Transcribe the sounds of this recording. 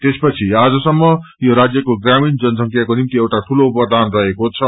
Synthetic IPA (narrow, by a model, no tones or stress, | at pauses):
t̪espʌt͡sʰiad͡zʌsʌmːʌjoɾad͡zjʌkoɡramind͡zʌnsʌŋkʰjakonimt̪iewʈaʈʰuloupʌrd̪ʱanrʌɦekot͡sʰʌ